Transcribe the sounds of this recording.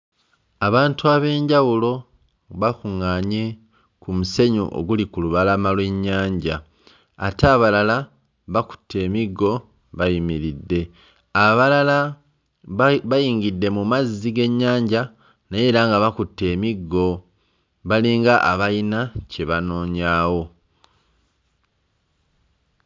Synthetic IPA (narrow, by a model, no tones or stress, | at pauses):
aβaːntuaβe̞ːɲɟawulo̞ | βakuŋaːɲe̞ | kumuse̞ɲṵʔo̰ɡulikuluβalamalwe̞ɲːaːɲɟaː | teaβalala | βaku̥tːe̞ːmiɡːo̞ | βajimiɾidːe̞ | aβalala | βajiːŋɡidːe̞mumazːiɡe̞ɲːaːɲɟa | naje̞ːɾaŋɡaβakutːe̞ːmiɡːo̞ | βaliːŋɡaʔaβajinace̞βano̞ːɲaːwo̞